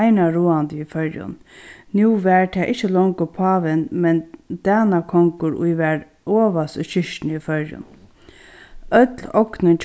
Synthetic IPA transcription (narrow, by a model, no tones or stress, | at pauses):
ɪnaɹuːant̪əifœɹjʊ̰nnjuːʋɛɹt̪ʰɛːʔɪht͡ʃːəlɔŋkʊpʰɑːʋɪnmɛnd̪̥æːnakʰɔŋkʊɾʊ̰jʋɛɹ | oːʋasʊ̰ʃɪʃnifœɹjʊ̰n | œt̪lɔknənt͡ʃʰ